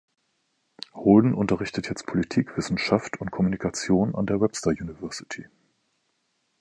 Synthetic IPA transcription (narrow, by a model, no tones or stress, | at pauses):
holdn̩ʔʊntɐʁɪçtətʰjɛt͡st̚pʰolitʰiːkv̥ɪsn̩ʃaftʰʊnt̚kʰɔmunikʰat͡sjoːna̰ndeːɐwɛpstɐjuːnivɛɐsɪ̥tʰi